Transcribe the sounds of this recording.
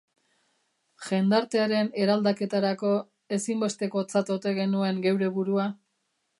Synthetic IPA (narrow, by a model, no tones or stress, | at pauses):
ʝe̞nd̪aɾt̪e̞aɾe̞ne̞ɾald̪ake̞t̪aɾako̞ | e̞simbe̞st̪e̞ko̞t͡sat̪ot̪e̞ɣe̞nue̞ŋɡe̞wɾe̞βuɾua